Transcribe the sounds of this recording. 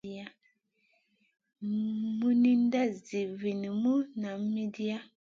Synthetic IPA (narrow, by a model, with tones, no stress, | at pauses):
a˦ | mu˦ni˦n˦da˦zi˨vi˨ni˨mu˦na˨˦mi˦di˦a˦